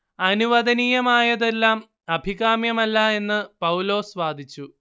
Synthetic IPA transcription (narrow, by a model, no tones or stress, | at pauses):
ɐnuʋɐd̪ɐnijɐmaːjɐðe̞lːaːm | ɐbʱiɣaːmjɐmɐlːɐe̞nːɨpɐwlo̞ːsʋaːd̪ʱit͡ɕːu